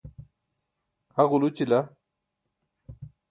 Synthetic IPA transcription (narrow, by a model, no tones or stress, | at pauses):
haɣulut͡ɕila